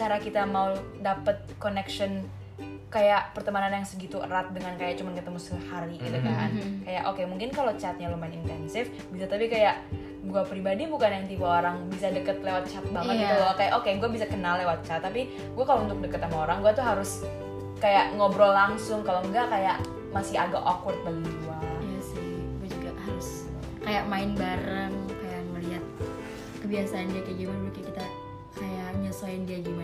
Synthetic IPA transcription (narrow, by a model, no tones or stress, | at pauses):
t͡ʃaɾakit̪amau | dapət̪̚konɛkʃɔn | kajaʔpərt̪əmananjaŋsəɡit̪uə̰ɾat̪̚dəŋankajaʔt͡ʃumankət̪əmusəhaɾiɡit̪ukaŋa̰nkajaʔokemuŋkɪnkalot͡ʃat̪̚ɲalomanint̪ɛnsɪf | bisat̪apikajaʔ | ɡuapɾibadibukanjaŋt̪ibaoɾaŋbisadəkət̪̚lewat̪̚t͡ʃat̪̚baŋət̪ɲaalokajaʔokeɡuabisakənalːewat̪̚t͡ʃat̪̚t̪ːapi | ɡuakalount̪ʊk̚dəkət̪amaoɾaŋɡuat̪uɦaɾʊs | kajaʔŋobɾɔlaŋsʊŋkaloŋɡakajaʔ | masɪhaɡa̰ʔokʊt̪̚baɡiɡuaijasɪɡuad͡ʒuɡaʔhaɾʊs | kajaʔmaɪnbaɾəŋkajaməliɦat̪̚ | kəbiasaːndiakaɡimanbukikit̪a | kajaʔɲəsoɪndiaɡima